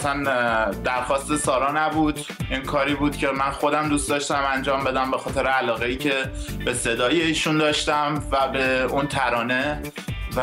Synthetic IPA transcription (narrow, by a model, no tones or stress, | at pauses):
sænd̪æɾxɒːst̪e̞sɒːɾɒːnæbuːd̪ | ʔinkʰɒːɾiːbuːd̪̥cʰʲe̞mænxo̞d̪æmd̪ust̪d̪ɒʃt̪æmænd͡ʒɒːmbe̞d̪æmbe̞xɒːt̪ʰeɾeælɒːɣeiːcʰe̞be̞se̞d̪ɒːjeiːʃund̪ɒːʃt̪æmvæbe̞unt̪ʰæɾɒːne̞ | v